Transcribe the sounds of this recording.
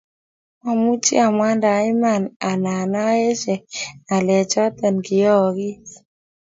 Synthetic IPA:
ma˨mu˦t͡ʃḭ˦a˨mwa˦nda˨˦ɪ˦ma˨na˨na˨na˦e˦ʃɛ˨na˨lɛ˨t͡ʃɔ˦t̪ɛ˨nkɪ˨jɔ˦˨ɡɪ˦

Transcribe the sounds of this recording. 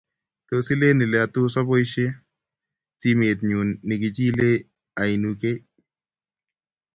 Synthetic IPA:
t̪o˨si˦le˦nɪ˨lɛ˨a˨t̪ʊ˦sa˦bo˦jʃe˦ | si˦me˨t̪̚ɲu˨nːɪ˨kɪ˨t͡ʃi˦le˦ | a˨i˨nu˨ke˦

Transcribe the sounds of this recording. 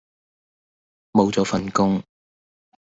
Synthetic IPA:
mo˨wt͡sɔː˨˥fɐ˨nkʊ˥ŋ

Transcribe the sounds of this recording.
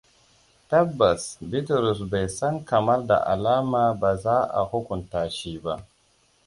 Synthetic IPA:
tɐ˦bːɐ˨sbi˦tɾu˨s̬ba˨jsɐ˦ŋkɐ˨mɐ˦rda̰˨ʔa̰˨laː˦maː˨ba˨zaː˦ʔa̰˨hu˦kʊ˨ntaː˨ʃiː˦ba˦

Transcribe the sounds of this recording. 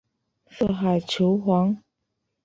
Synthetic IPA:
sɤ˥˨xa˨˩ɪt͡ɕʰjo˧˦ʊxwɑ˧˥ŋ

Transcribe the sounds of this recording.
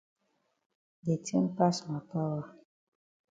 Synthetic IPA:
de˨te˦mpa˦sma˨pa˦wa˦

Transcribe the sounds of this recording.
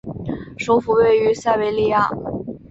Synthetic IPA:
ʂo˧˥ʊfu˧˥we˥˩ɪy˧˥sa˥˧ɪwe˧˥ɪli˥˧ja̰˥˩

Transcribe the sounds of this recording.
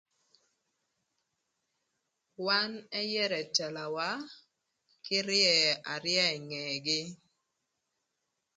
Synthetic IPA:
wa˦nɛ˦jɛ˦ɾɛ˨tɛ˨la˨wa˦ | kɪ˦ɾjɛ˨a˨ɾjɛ˦ɛ˨ŋɛ˨ɡɪ˦

